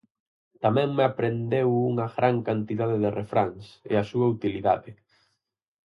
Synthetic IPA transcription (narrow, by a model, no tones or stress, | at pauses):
t̪amɛ̃ŋmɪapɾend̪ewuŋɐɣɾaŋkant̪iðaðɪðɪrefɾaŋsḛasuɐut̪iliða̰ðɪ